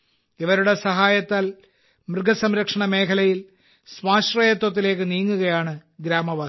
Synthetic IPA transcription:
iʋɐɾuɽe̞sɐɦaːjɐt̪ːaːl | mrɨɡʱɐsɐmɾɐkʂɐɳɐme̞ːkʰɐlɐjil | sʋaːɕrɐjɐt̪̬wɐt̪̬ːile̞ːk̬ːɨniːŋːuɣɐjaːɳɨɡɾaːmɐʋaːs

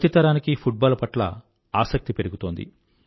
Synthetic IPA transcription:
t̪it̪ɐɾaːnikipʰuʈ̚baːlpɐʈlɐ̰ | aːsɐk̚t̪ipe̞ɾuɡut̪oːnd̪ḭ

